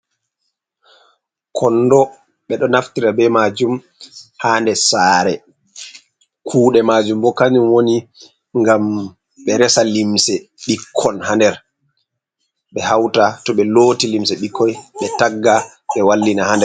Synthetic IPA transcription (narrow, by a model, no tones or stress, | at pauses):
kʰɔnːdɔ | ɓɛɗɔnaftiɾabɛmad͡ʒum | handɛsaːɾɛ | kʰuːɗɛmad͡ʒumbɔkanimwoni | ŋɡam | ɓɛɾɛsalimsɛɓikʰːɔnhandɛɾ | ɓɛhawtatɔɓɛloːtilimsɛɓikʰːɔjɓɛtaɡːa | ɓɛwalːinahandɛɾ